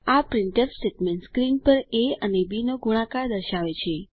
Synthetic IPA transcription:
apɾɪɳʈepsʈeʈmẽɳʈskɾinpəɾeənebinoɡuɽ̃ãkaɾd̪əɾʃaʋet͡ʃʰe

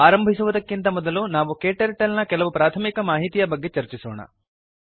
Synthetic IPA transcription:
aːɾɐmbʱisuʋɐd̪ɐkːint̪ɐmɔd̪ɐlunaːʋukeːʈɐɾʈɐlnɐkɛlɐʋupɾaːt̪ʰɐmikɐmaːɦit̪ijɐbɐɡːe̞t͡ʃɐɾt͡ʃisɔːɳɐ̰

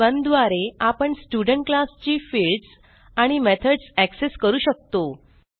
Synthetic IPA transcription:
bənd̪ʋaɾeapəɳsʈuɖəɳʈ̚klast͡ɕiːfilɭɖs | aɽ̃imet̪ʰəɖsækseskəɾuːɕək̚t̪o

